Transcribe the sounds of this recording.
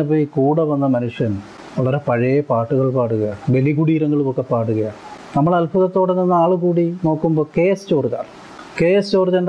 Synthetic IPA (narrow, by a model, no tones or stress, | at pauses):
ɐp̬ːoːikuːɽɐʋɐnːɐmɐnuʂjɐn | ʋɐɭɐɾepɐɻɐjɐpaːʈːuɣɐɭpaːɽuɣɐjabeliɣuɽiːɾɐŋːɐɭumokːɐpaːʈuɣɐja | nɐmːɐɭɐlpɐðɐt̪ːoːɽeninːaːɭuɣuːɽino̞ːkːumbo̞ːkeːst͡ɕo̞ːrt͡ɕa̰ːr | ke̞ːst͡ɕoːrd͡ʑɐnɳɖ